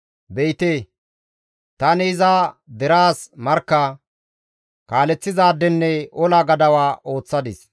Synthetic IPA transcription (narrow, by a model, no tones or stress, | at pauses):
bɛjt̪eː | t̪ɐnɪːzad̪ɛɾaːsmɐɾkːɐ | kaːlɛt͡sːɪzaːd̪ːɛnːɛʔɔlaːɡɐd̪ɐwaːʔo̞ːt͡sːɐd̪ɪs